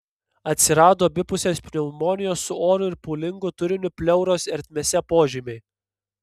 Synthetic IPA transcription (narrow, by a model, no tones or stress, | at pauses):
ɐt̪ʲsʲɪɾɑːd̪oːbʲɪpʊsʲeːsʲpʲnʲɛmoːnʲɪjoːsːʊoːɾʊɪɾpuːlʲɪŋɡʊt̪ʊɾʲɪnʲʊpʲlʲɛʊɾoːsɛɾʲt̪ʲmʲesʲɛpoːʒʲimʲɛɪ